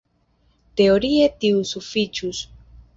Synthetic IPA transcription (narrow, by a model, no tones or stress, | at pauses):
t̪eoɾiet̪iusufit͡ʃus